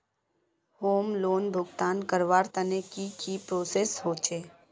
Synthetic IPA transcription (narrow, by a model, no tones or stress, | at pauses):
hoːmloːnbʱʊɡt̪aːnkəɾʋaːɾt̪ənekikipɾoːseːsɦoːt͡ʃeː